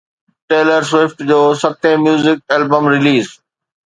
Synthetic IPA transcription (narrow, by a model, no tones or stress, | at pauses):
ʈeːləɾsʋɪfʈd͡ʑoːsɐt̪ʰẽmjuːzɪk̚ɛːlbəmɾɪliːz